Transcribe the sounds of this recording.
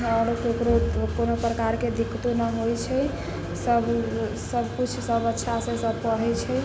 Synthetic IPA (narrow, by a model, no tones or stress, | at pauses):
əɾokeokɾokonopɾəkaɾked̪ikːt̪unəɦojt͡ʃʰɛ | səb | səbʱkut͡ʃʰsəbətːʃʰasẽsəb̚ʱpəɽ̤ɛt͡ʃʰɛ